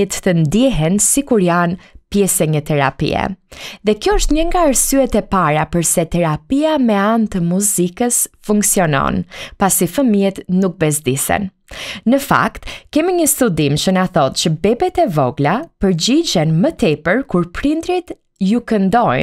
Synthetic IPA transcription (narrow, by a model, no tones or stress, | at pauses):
t̪t̪ənd̪jɛɦɛnsikuɾjanpjɛsɛɲət̪ɛɾa̰pḭɛ̰ðɛkjɔəʃt̪ɲəŋɡaəɾsyɛt̪ɛpaɾapəɾsɛt̪ɛɾapiamɛant̪əmuzikəsfuŋksiɔnɔ̰npasifəmiɛt̪nuk̚bɛs̬d̪isɛ̰n | nəfa̰kt̪kɛmiɲəst̪ud̪imt͡ʃənaθɔt̪t͡ʃəbɛbɛt̪ɛvɔɡlapəɾd͡ʑid͡ʑɛnmət̪ɛpəɾkuɾpɾind̪ɾit̪ | jukənd̪ɔj